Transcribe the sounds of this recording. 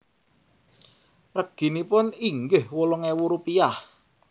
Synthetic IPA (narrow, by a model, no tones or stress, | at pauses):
rəɡ̥i̤nipʊniŋɡɪhwolɔŋewuɾupijah